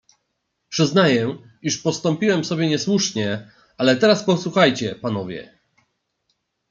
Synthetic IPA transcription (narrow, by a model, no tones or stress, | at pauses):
pʂɘznajɛ | iʂpɔst̪ɔmpʲiwɛmsɔbʲjɛɲɛswuʂɲɛ | alɛt̪ɛɾaspɔswuxajt͡ɕɛpanɔvʲjɛ̰